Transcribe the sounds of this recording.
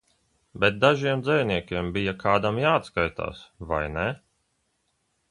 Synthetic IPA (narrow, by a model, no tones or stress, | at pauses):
bɛt̪̚d̪aʒiɛmd̪zɛvnʲiɛkʲiɛmbijakʰaːd̪amjaːt̪skajt̪a̰ːsva̰jnɛ